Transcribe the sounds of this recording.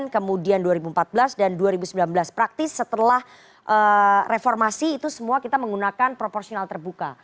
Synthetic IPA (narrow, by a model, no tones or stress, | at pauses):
nkəmudianduaɾibumpat̪̚bəlasdanduaɾibusəmbilanbəlaspɾak̚t̪ɪsːət̪əlah | ʔərefɔrmasiːt̪usəmuakit̪aməŋɡunakanpɾopɔrsionalt̪ərbuka